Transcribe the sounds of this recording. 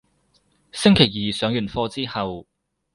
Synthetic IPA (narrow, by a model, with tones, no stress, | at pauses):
sɪ˥ŋkʰe˨˩jjiː˨sœː˨˥ŋjyː˨˩nfɔː˧t͡siː˥hɐ˨w